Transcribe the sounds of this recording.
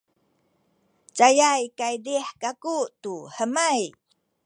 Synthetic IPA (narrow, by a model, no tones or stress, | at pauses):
t͡ʃajajkajdiħkakutuħəmaj